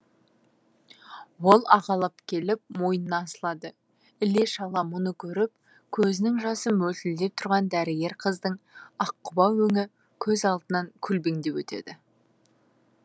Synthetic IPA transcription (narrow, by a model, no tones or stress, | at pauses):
wo̞lˠɑʁɑlˠəpkʲʰe̞lɪp̚mo̞jənənɑːsəlˠɑd̪ə | ɪle̞ʃɑlˠɑmʊnəkʲʰɵɾɪp̚ | kʲʰɵzɪnɪŋʒɑsəmɵlt̪ɪld̪e̞p̚t̪ʰʊɾʁɑnd̪æɾɪɡʲe̞ɾqʰəzd̪əɴɑqːʊbɑwɵŋɪ | kʲʰɵzɑlˠd̪ənɑŋkʲʰʏlbe̞ŋd̪e̞wɵt̪e̞̰d̪ɪ